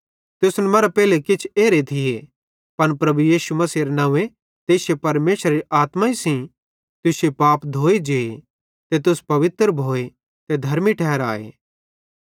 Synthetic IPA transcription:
t̪ʊsnɛmɐɾapɛːlekɪt͡ʃʰeːɾet̪ʰɪje | pɐnpɾɐbujiːsumɐsiːɾenɐʋe | t̪eːsjepɐɾmeːsəɾaɾiʔaːt̪maisĩ | t̪ʊsjepaːpd̪ʱoːed͡ʒeːe | t̪et̪ʊspɐʋɪt̪ɾbʱoːe | t̪ed̪ʱɐɾmiʈʰɛːɾaːḛː

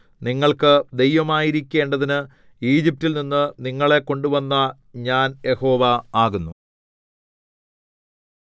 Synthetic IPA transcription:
niŋːɐɭkɨd̪e̞jʋɐmaːjiɾikʲːe̞ːɳɖɐðinɨ | iːd͡ʑip̚tilninːɨniŋːɐɭe̞ko̞ɳɖuʋɐnːɐ | ɲaːnje̞ho̞ːʋɐaːɣunːu

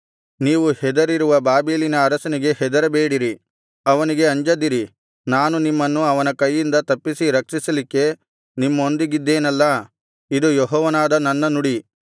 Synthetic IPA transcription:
niːʋuhɛd̪ɐɾiɾuʋɐbaːbiːlinɐːɾɐsɐniɡe̞hɛd̪ɐɾɐbeːɽiɾi | ɐʋɐniɡe̞ɐɲd͡ʒɐd̪iɾi | naːnunimːɐnːuɐʋɐnɐkɐjːind̪ɐt̪ɐpːisiɾɐkʂisɐlikːe̞ | nimːɐond̪iɡid̪ːeːnɐlːɐ | id̪ujɔɦɔːʋɐnaːd̪ɐnɐnːɐnuɽi

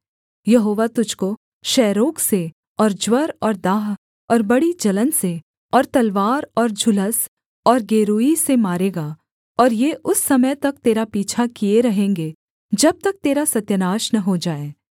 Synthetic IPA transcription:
jɐɦoːʋat̪ʊd͡ʒʱko | ʃɛːɾoːkse | ɔːɾd͡ʒwɐɾɔːɾd̪aːɦ | ɔːɾbɐɽid͡ʒɐlənse | ɔːɾt̪ɐlʋaːɾɔːɾd͡ʒʱʊləs | ɔːɾɡeːɾuːisemaːɾeːɡa | ɔːɾjeːʔʊsːɐməjt̪ɐk̚t̪eːɾapiːt͡ʃʰakieɾɐɦẽːŋɡe | d͡ʒɐb̚t̪ɐk̚t̪eːɾasɐt̪jənaːʃnɐɦod͡ʒaːeː

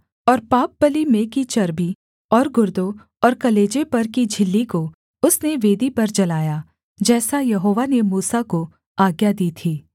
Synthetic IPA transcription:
ɔːɾpaːp̚bəlimẽkit͡ʃɐɾbi | ɔːɾɡʊɾd̪õ | ɔːɾkɐleːd͡ʒepɐɾkid͡ʒʱɪlːiko | ʊsneʋeːd̪ipɐɾd͡ʒɐlaːja | d͡ʒɛːsajɐɦoːʋanemuːsako | aːɡjad̪iːt̪ʰiː

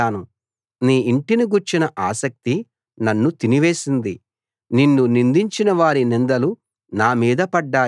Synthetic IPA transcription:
aːnu | niːiɳʈiniɡuɾt͡ʃinɐʔaːsɐk̚t̪i | nɐnːut̪iniʋe̞ːsind̪i | ninːunind̪iɲt͡ʃinɐʋaːɾinind̪ɐlu | naːmiːd̪ɐpɐɖːaː

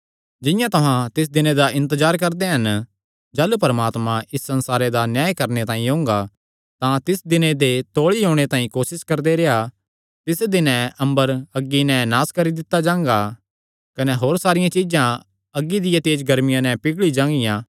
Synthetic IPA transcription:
d͡ʒɪjãt̪ɐɦãt̪ɪs̬d̪ɪned̪aʔɪ̃nt̪̬əzaːɾkɐɾd̪eɦɐn | d͡ʒaːlupɐɾəmaːt̪mãʔɪsːɐ̃nsaːɾed̪anjaːjkɐɾnet̪ãːĩɦõːŋɡa | t̪ãt̪ɪsd̪ɪned̪et̪oːɭiɦõːɽ̃et̪ãːĩkoːsɪskɐɾd̪eɾeːɦa | t̪ɪsd̪ɪnɛ̃ʔɐ̃mbəɾɐɡːinɛ̃naːskɐɾid̪ɪt̪ːad͡ʒãːŋɡa | kɐnɛɦoːɾsaːɾɪjãt͡ʃid͡ʒã | ɐɡːid̪ɪjãt̪eːd͡ʒɡɐɾmɪjãnɛ̃pɪɡɭid͡ʒãːŋɡɪjãː

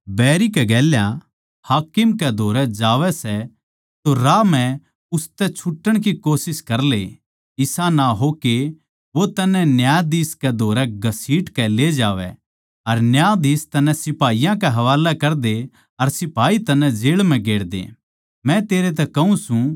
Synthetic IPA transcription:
bɛːɾikɛɡɛːlja | haːkɪmkɛd̪ʱoːɾɛd͡ʒaːʋɛsɛ | t̪oɾaːmɛ̃ | ʊst̪ɛt͡ʃʰʊʈːəɽ̃k̬ikoːsɪskɐɾlḛ | ɪsanaɦoke | ʋot̪ɐnːɛnjaːd̪iːskɛd̪ʱoːɾɛɡɐsiːʈkɛled͡ʒaːʋɛ̰ | ɐɾnjaːd̪iːst̪ɐnːɛ̃sɪpaːijãkɛɦɐʋaːlɛkɐɾd̪e | ɐɾsɪpaːit̪ɐnːɛ̃d͡ʒeːɭmɛ̃ɡeːɽd̪ḛː | mɛ̃t̪eːɾet̪̬ɛkɐɦũsũ

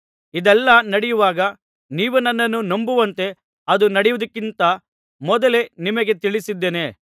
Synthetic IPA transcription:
id̪ɛlːɐnɐɽɛjuʋaːɡɐ | niːʋunɐnːɐnːunombuʋɐnt̪e̞ | ɐd̪unɐɽɛjʋud̪ɐkːint̪ɐ | mɔd̪ɐle̞nimɐɡe̞t̪iɭisid̪ːeːne̞

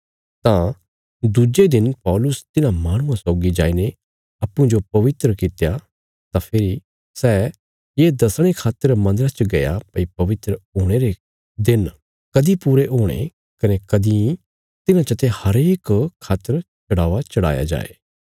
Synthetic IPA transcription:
t̪ã | d̪ud͡ʒed̪ɪnpɔːlʊst̪ɪnãmaːɽ̃ʊ̃ãsɔːɡid͡ʒaːine | ɐpːũd͡ʒopɐʋɪt̪ɾəkɪt̪eja | t̪ãpʰɪːɾi | sɛː | jeːd̪ɐsɽ̃ekʰaːt̪əɾmɐ̃nd̪əɾat͡ʃəɡɐjapɐipɐʋɪt̪ɾəɦoːɽ̃eɾe | d̪ɪn | kɐd̪ipuːɾeɦoːɽ̃ḛ | kɐnekɐd̪ĩ | t̪ɪnãt͡ʃɐt̪ehɐɾeːkkʰaːt̪ːəɾt͡ʃɐɽaːʋat͡ʃɐɽa̰ːja̰d͡ʒa̰ːḛː

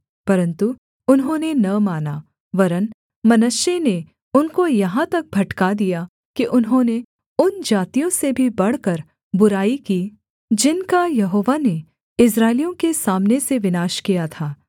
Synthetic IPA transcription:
pɐɾə̃nt̪u | ʊnɦõːnenɐmaːna | ʋɐɾən | mɐnəʃene | ʊnkojɐɦãt̪ɐk̚bʱɐʈkad̪ija | kiʔʊnɦõne | ʊnd͡ʒaːt̪ijõsebʱibɐɽ̤kɐɾ | bʊɾaːikiː | d͡ʒɪnkajɐɦoːʋane | ɪs̬ɾaːɪlijõkesaːmneseʋɪnaːʃkijat̪ʰaː

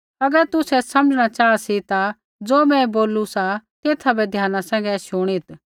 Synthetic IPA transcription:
ɐɡəɾt̪ʊsɛsɐməd͡ʒɽ̃at͡ʃaːasit̪a | d͡zoːmɛ̃boːlusat̪eːt̪ʰabɛd̪ʱjaːnasɛ̃ːŋɡɛʃʊɽ̃it̪

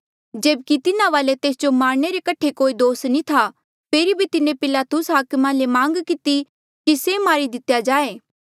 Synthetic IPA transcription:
d͡ʒeːbkit̪ɪnãʋaːlet̪eːsd͡ʒomaːɾñeɾekɐʈʰːekoːid̪oːsnĩt̪ʰa | pʰeːɾibʱit̪ɪnẽpɪlaːt̪ʊsɦaːkmãlemãːŋɡkɪt̪i | kisemaːɾid̪ɪt̪jad͡ʒaːeː

